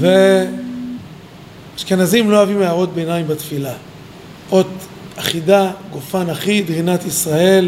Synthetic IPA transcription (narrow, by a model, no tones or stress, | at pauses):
ve | ʃkenazimlo̞avimeaʁo̞t̪̚bejnaimbat̪fila | o̞t | aχidaɡofanaχid̪ʁinat̪isʁae̞l